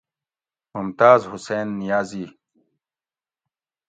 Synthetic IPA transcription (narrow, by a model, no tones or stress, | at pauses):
mʊmt̪aːzhuseːnːijaːziː